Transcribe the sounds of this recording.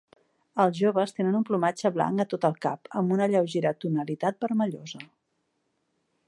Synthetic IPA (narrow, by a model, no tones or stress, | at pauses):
əlˠzʒoβəst̪enənumplumad͡ʒəβla̰ŋət̪ot̪əlˠka̰pəmbunəʎəwʒeɾət̪unəlit̪at̪̚bəɾməʎozə